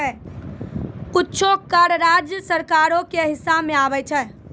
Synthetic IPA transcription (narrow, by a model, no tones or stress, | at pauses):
kutːt͡ʃʰokaɾəɾad͡ʒjəsəɾkaɾokeɦisːabmeabɛt͡ʃʰɛɦ